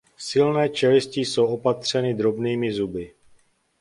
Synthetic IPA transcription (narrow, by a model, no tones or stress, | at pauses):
sɪlnɛːt͡ʃɛlɪsciso̞wʔo̞pat̪r̝̥ɛnɪd̪ɾo̞bniːmɪzubɪ